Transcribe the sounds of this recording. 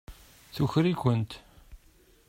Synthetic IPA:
θuçɾikʷənt̪

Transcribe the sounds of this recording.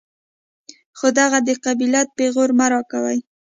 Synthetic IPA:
xod̪aɣad̪əqabilat̪̚peɣoɾmaɾɑkawa̰j

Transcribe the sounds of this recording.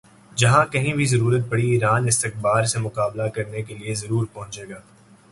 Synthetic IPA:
d͡ʒɐɦãkɐɦĩbʱizɐɾuːɾət̪̚bɐɽiiːɾaːnɪst̪ɪqbaːɾsemʊqaːblakɐɾnekeliezɐɾuːɾpɐ̃ɦʊ̃t͡ʃeːɡaː

